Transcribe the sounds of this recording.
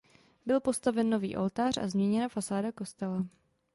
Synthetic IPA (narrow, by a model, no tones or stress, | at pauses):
bɪlpo̞st̪avɛnːovḭːʔo̞̰lt̪aːra̰zmɲɛɲɛnafasaːdako̞st̪ɛla